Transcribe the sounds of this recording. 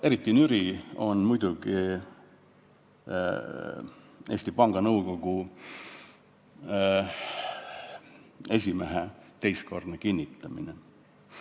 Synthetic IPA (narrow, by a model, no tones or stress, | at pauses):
e̞ɾit̪ːˑinyɾio̞nmujd̪uɡ̥i | eːsʲt̪ipɑŋɡ̥ɑnɤwko̞ɡ̥u | e̞s̬ʲimeɦet̪ejsko̞rd̪nekinʲːit̪ːˑɑmine